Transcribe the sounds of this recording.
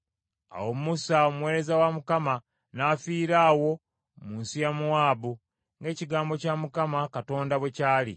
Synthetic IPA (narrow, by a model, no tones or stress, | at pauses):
a̰wo̞musaomuwe̞ːɾe̞zawamukama | naːfiːɾaːwo̞ | muːnsijamuwaːβu | ŋɡe̞ːciɡaːmbo̞camukamakato̞ːndawe̞caːlḭ